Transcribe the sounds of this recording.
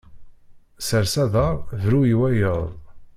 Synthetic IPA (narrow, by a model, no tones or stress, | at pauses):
səɾsæðəʁðɾujiwæjəðˤ